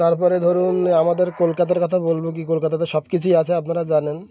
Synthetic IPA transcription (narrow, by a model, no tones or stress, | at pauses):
t̪aɾpɔɾed̪ʱoɾunamad̪eɾkolkat̪̬aɾkɔt̪ʰabolbok̬ikolkat̪at̪eʃɔbkit͡ɕʰujat͡ɕʰeapnaɾad͡ʑanen